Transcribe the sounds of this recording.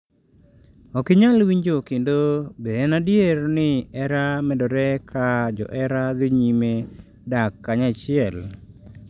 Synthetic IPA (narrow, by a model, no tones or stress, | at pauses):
ɔkɪɲalwiɲd͡ʒokendobenadjeɾnɪɛɾamɛdɔɾɛkʰad͡ʒɔ̰ʔɛɾad̪ɪɲime | dakːaɲat͡ʃɪɛl